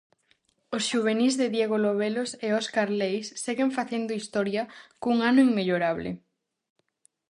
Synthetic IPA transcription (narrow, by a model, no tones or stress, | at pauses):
osʃuβ̞enizðeðjeɣoloβ̞eloseoskaɾlejsːeɣeɱfaθend̪oist̪ɔɾjɐkuŋanʊiŋmeʎoɾaβlɪ̰